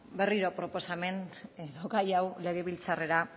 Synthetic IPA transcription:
be̞riɾo̞pɾo̞po̞same̞neðoɡajawle̞ɣe̞βilt͡sare̞ɾa

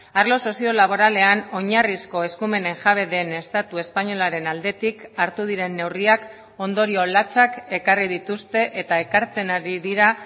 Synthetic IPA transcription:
aɾlo̞so̞sio̞laβ̞o̞ɾale̞ano̞ɲarisko̞e̞skume̞ne̞ŋʝaβ̞e̞ðe̞ne̞st̪at̪ue̞spaɲo̞laɾe̞nald̪e̞t̪ikaɾt̪uð̞iɾe̞nːe̞wriak | o̞nd̪o̞ɾio̞lat͡sake̞karið̞it̪ust̪e̞ʔet̪ae̞kaɾt͡se̞naɾiðiɾa

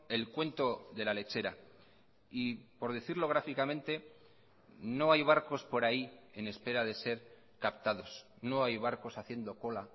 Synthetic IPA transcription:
e̞lkwe̞nt̪o̞ðe̞lale̞t͡ʃe̞ɾa | ipo̞ɾðeθiɾlo̞ɣ̞ɾafikamẽ̞nt̪e̞ | no̞ajβ̞aɾko̞spo̞ɾaie̞ne̞spe̞ɾaðe̞se̞ɾ | kapt̪aðo̞s | no̞ajβ̞aɾko̞saθje̞nd̪o̞ko̞la

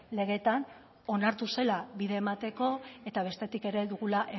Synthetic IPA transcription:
le̞ɣe̞t̪an | o̞naɾt̪use̞laβiðe̞ːmat̪e̞ko̞e̞t̪aβ̞e̞st̪e̞t̪ike̞ɾe̞ðuɣ̞ulaʔe

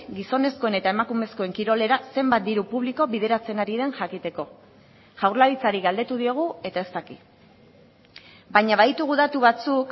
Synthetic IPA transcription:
ɡiso̞ne̞sko̞ene̞t̪ae̞makume̞sko̞e̞ŋkiɾo̞le̞ɾase̞mbat̪̚d̪iɾupuβliko̞βiðe̞ɾat͡se̞naɾiðe̞nʝakit̪e̞ko̞ | ʝawɾlaβit͡saɾiɣald̪e̞t̪uð̞io̞ɣ̞ue̞t̪aest̪aki | baɲaβajt̪uɣ̞uðat̪uβ̞at͡suk

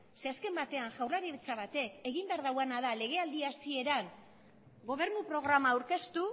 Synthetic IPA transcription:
se̞aske̞mbat̪e̞anʝawrlaɾiβet͡saβ̞at̪e̞ke̞ɣimbe̞aɾðawanaðale̞ɣ̞e̞ald̪iasie̞ɾaŋ | ɡo̞β̞e̞ɾnupɾo̞ɣ̞ɾamaːwɾke̞st̪u

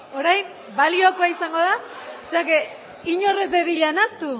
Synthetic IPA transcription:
o̞ɾajm | balio̞koaisaŋɡo̞ðaseake | iɲo̞re̞zðeðiʎanast̪u

